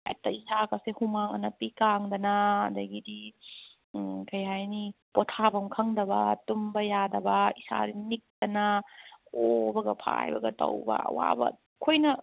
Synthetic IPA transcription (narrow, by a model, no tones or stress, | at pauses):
ḛtɐisakɐsehumaŋɐ̰nɐpikaŋd̪ɐnɐɐd̪ɐɡidi | kɐjɦajnipotʰabɐmkʰɐŋd̪ɐbɐ̰tumbɐjadɐbɐisa̰dinik̚d̪ɐnɐ | obɐɡɐpʰa̰jbɐ̰ɡɐtɐ̰wbɐ̰wa̰bɐ̰ | kʰojnɐ